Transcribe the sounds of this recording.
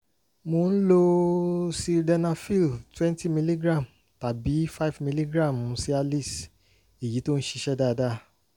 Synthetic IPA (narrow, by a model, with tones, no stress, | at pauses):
mo˧n̩˦lo˦si˧dɛ˧nã˧fi˦˨ltwɛ̃˦n˦ti˦mi˧li˦ɡɾã˦˨m | ta˨bi˨˦fa˦˨fmi˧li˦ɡɾã˦˨m̃˨˦si˦a˧li˦˨s | i˨ji˨˦to˦ñ̩˦ʃi˧ʃɛ˦da˦˧da˦